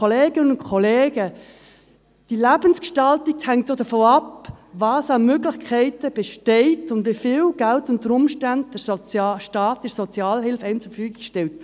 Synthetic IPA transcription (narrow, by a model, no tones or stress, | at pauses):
oleːɡɪnənʊnkʰɔleːɡə | d̥ilæbənskʃtɑltik̚thæŋtodəfoːɑpvɑːsɑmøɡlɪχkʰɛɪtəb̥ɛʃtɛɪtʊndʋifɪːwɡ̥æltʊntəɾʊmʃtænd̚d̥əɾʃtɑːtdəɾsɔt͡sjɑːlɦɪlfɛɪmt͡suəɾfyːɡikʃtɛlt̚